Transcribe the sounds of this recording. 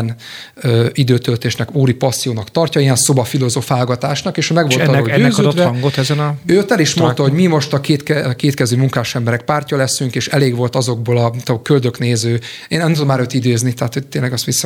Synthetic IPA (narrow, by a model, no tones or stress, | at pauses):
n | øid̪øːt̪ølt̪eːʃnɛkuːɾipɒsːijoːnɒkt̪ɒrcɒiɛnso̞bɒfilo̞zofaːlɡɒt̪aːʃnɒkeːʃmɛɡʋo̞lɒoɟøɛzød̪od̪vɛɒŋɡot̪ɛzɛnɒøːøt̪ɛliʃmo̞nt̪ɒɦo̞ɟmimo̞ʃt̪ɒkeːt̪kɛkeːt̪kɛzyːmuŋkaːʃɛmbɛɾɛk̚paːrcɒlɛsyŋkeːʃɛleːɡʋo̞lt̪ɒzo̞ɡ̚boːlɒmt̪ɒkøld̪ø̞kneːzøː | eːnɛmt̪ud̪omaːɾøːt̪id̪eːznit̪ɛɦat̪ho̞t̪eːnlɛɡɒst̪ʋisːɒ